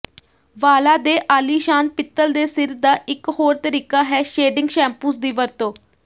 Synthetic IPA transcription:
ʋaːlaːd̪eːʔaːliːʃaːnpɪt̪ːəld̪eːsɪɾd̪aːʔɪkhoːɾt̪əɾiːkaːɦɛːʃeːɖɪŋɡʃɛ̃ːmpuːsd̪iːʋəɾt̪õː

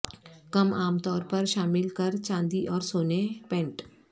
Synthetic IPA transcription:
kɐmaːmt̪ɔːɾpɐɾʃaːmɪlkɐɾt͡ʃãːnd̪iʔɔːɾsoːnepɛ̃ɳʈ

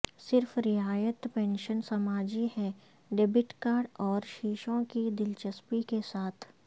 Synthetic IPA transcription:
sɪɾfɾɪaːjət̪pɛ̃ːnʃənsɐmaːd͡ʒihɛ | ɖebɪʈkaːɾɖɔːɾʃiːʃõkid̪ɪlt͡ʃəspikesaːt̪ʰ

